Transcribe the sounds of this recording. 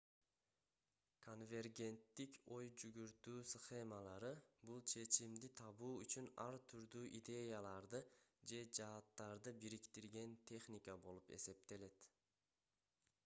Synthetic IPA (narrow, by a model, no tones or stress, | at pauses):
kʰo̞nvʲe̞rɡʲe̞nt̪ːikʲo̞jd͡ʒyɡyɾt̪yːsχe̞malˠɑɾɯbulˠt͡ʃʰe̞t͡ʃimd̪it̪ʰɑβuːyt͡ʃynɑɾt̪ʰyɾd̪yːʔid̪ʲe̞jalˠɑɾd̪ɯd͡ʒe̞d͡ʒɑːt̪ːɑɾd̪ɯbiɾikt̪iɾɡʲe̞nt̪ʰe̞χnʲikabo̞lˠupe̞̰se̞p̚t̪e̞le̞t̪